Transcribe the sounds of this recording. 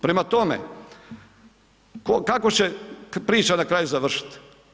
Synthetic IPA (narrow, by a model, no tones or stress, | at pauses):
pɾemat̪omḛ | kokakot͡ɕepɾiːt͡ʃanakɾaːjuzaʋr̩ʃi̥t̪